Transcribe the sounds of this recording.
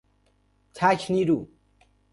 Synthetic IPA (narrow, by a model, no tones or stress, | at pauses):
t͡ɕʰaɕʰniɾu